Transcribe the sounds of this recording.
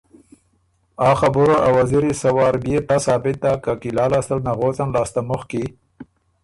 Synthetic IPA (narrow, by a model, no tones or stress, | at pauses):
ɑːxabʊɾoʔawaziɾisawɑːɾbjeʈasɑːbɪt̪̚ːakakilɑːlast̪alnaɣot͡sanlɑːst̪amʊxki